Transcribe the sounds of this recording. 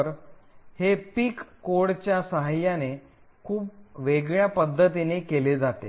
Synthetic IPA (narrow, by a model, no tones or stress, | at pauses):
ɾhepiːkːoɽt͡ɕjasəɦajːane | kʰuːp̚ʋeɡɭjapəd̪ʱːət̪inekeled͡zat̪ḛ